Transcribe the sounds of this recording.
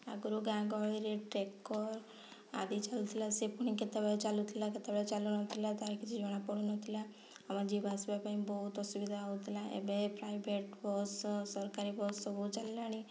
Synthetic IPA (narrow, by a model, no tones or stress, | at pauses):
aɡuɾuɡãɡɔɭiɾeʈɾekːɔɾ | a̰d̪it͡ʃalut̪ʰilasepuɳiket̪abat͡ʃalut̪ʰilaket̪abɭet͡ʃalunɔt̪ʰilat̪aɾikʰid͡ʒid͡ʒɔɽ̃apɔɽunɔt̪ʰila | amãd͡ʒibasbapaimbɔɦut̪ɔsubid̪ʱaaut̪ʰilaʔḛbepɾaibeʈbɔssɔɾkaɾibɔsɔbɔɦut͡ʃallaɽ̃i